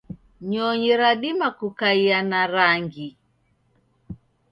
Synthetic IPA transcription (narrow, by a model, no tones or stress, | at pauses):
ɲɔɲiɾaɗimakukaianaɾaŋɡi